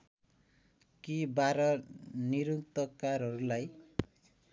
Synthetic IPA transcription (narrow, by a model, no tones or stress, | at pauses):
kibaɾʌniɾukt̪ʌkarɦʌɾulaj